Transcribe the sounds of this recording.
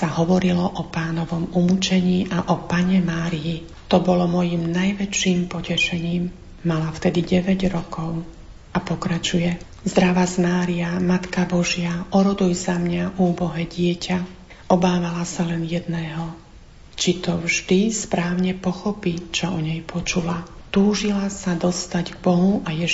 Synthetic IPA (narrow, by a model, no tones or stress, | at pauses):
saɦɔʋɔɾilɔʔɔpaːnɔʋɔmumut͡ʃɛɲiːʔaʔɔpaɲɛmaːɾiji | t̪ɔbɔlɔmɔjimnajʋɛt͡ʃiːmpɔcɛʃɛɲiːmː | alaft̪ɛd̪iɟɛʋɛɟɾɔkɔʊ | ʔapɔkɾat͡ʃujɛ | zd̪ɾaʋazmaːɾiamat̪kabɔʒɪaʔɔɾɔd̪ujzamɲaʔuːbɔɦɛɟɪɛcʰa | ʔɔbaːʋalasalɛnjɛd̪nɛːɦɔ | t͡ʃit̪ɔvʒd̪ispɾaːʊɲɛpɔxɔpit͡ʃɔɔɲɛjpʰɔt͡ʃulat̪uːʒilasad̪ɔst̪aɟɡ̚bɔɦuʔajɛ